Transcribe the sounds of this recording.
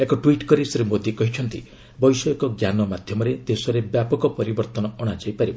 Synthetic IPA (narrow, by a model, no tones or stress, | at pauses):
ekɔʈwiʈkɔɾisɾimod̪ikɔɦit͡ʃʰɔnt̪ḭ | bɔjsɔekɔɡjanɔmad̪ʱjɔmɔɾed̪esɔɾebjapɔkɔpɔɾibɔɾt̪ɔnɔːɽ̃ad͡ʒajpaɾibɔ